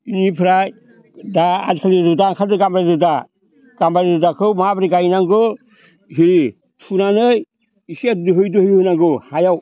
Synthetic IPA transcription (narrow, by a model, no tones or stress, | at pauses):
inipʰɾaj | daadkʰalidudaŋkʰadɯɡambɾadɯda | ɡ̥ambaɾidudakʰɯwmabɾiɡajnaŋɡɯ | ɦiɾi | tʰunanɯj | iset̚dɯɦɯjdɯhɯjhɯnaŋɡɯhajaw